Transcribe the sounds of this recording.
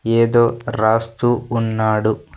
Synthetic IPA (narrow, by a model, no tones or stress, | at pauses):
eːd̪oːɾaːst̪uːnːaːɽu